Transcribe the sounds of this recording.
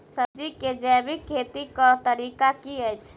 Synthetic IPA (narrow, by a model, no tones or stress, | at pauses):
səd͡ʒiked͡ʒɛbikʰːet̪ikɔt̪əɾikakiəjt͡ʃʰ